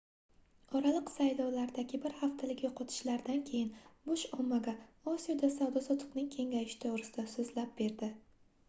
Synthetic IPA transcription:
ɒɾalˠɪqsajlɒwlaɾd̪aɡʲɪbɪɾhaft̪ʰalɪɡʲoqʰɒt̪ʰɪ̥ʃlaɾd̪ankʲʰe̞jɪnbʊʃɒmːaɡaɒsijod̪asawd̪ɒsɒt̪ʰʊ̥qnɪŋkʲʰe̞ŋɡʲajɪʃɪ̥t̪ʰoʁɾɪsɪ̥d̪asʊzlap̚be̞ɾd̪ɪ

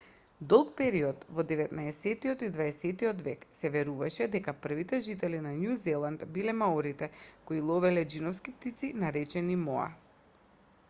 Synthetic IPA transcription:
d̪ɔlˠkpɛɾiɔt̪vɔd̪ɛvɛt̪naɛsɛt̪iɔt̪id̪vaɛsɛt̪iɔt̪vɛksɛvɛɾuvaʃɛd̪ɛkapr̩vit̪ɛʒit̪ɛlinanjuzɛlˠant̪bilɛmaɔɾit̪ɛkoilˠɔvɛlɛd͡ʒinɔfskip̚t̪it̪sinaɾɛt͡ʃɛnimɔ̰a̰

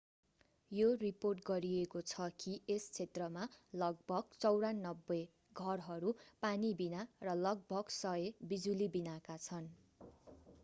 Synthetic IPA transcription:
joriporʈɡʌɾiekot͡sʰʌkiest͡sʰet̪rʌmalʌɡ̚bʱʌɡt͡sʌwɾanːʌbːʌj | ɡʱʌrɦʌɾupanibinarʌlʌɡ̚bʱʌɡsʌebid͡zulibinakat͡sʰʌn

